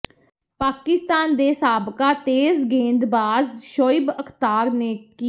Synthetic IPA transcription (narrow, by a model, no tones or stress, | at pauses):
paːkɪst̪aːnd̪eːsaːbkaːt̪eːzɡẽːnd̪baːzʃoːɪbəkʰt̪aːɾneːki